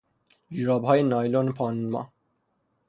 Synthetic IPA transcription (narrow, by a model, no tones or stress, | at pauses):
d͡ʒɾɒːbɦɒːjenɒːjloːnepʰɒːnnmɒ̰ː